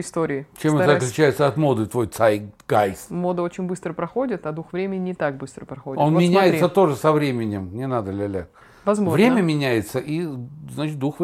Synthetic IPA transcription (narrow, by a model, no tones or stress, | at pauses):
ɪst̪oɾʲɪɪt͡ɕemɛəɐklʲʉt͡ɕæjɪt̪səɐt̪mo̞d̪ɨt̪vo̞jt̪saɾʲɡ̥ajsmo̞d̪əot͡ɕɪnʲbɨst̪ɾəpɾɐxodʲɪt̪ɐd̪uxvɾʲemʲɪnʲɪnʲɪt̪aɡ̚bɨst̪ɾəpɾɐxodʲɪo̞nmʲɪnʲæjɪtssət̪o̞ʐɨsɐvɾʲemʲɪnʲɪmnʲɪnad̪əlʲɪlʲæ | vɐzmovɾʲemʲəmʲɪnʲæjɪt̪səʔiznat͡ɕɪt̪̚d̪uxv